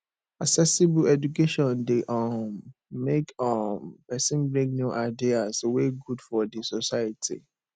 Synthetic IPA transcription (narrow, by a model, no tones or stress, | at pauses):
aksɛsibulɛd͡ʒukeʃɔ̃ndeʔɔmːekɔmpɛsĩnbɹĩŋɡnjuʔaɪdiazweɡudfɔdisɔsaɪatʰḭ